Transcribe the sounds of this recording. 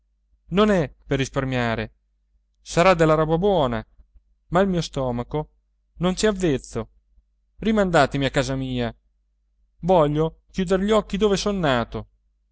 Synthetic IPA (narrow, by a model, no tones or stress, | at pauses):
nonɛperːisparmjaːɾe | saɾad̪elːaɾɔbabwɔːna | mailmiːost̪ɔːmako | nont͡ʃiavːet̪sːo | rimand̪aːt̪emiakːaːzamiːa | vɔʎːokjuːd̪eɾʎiɔkːid̪oːvesonːaːt̪o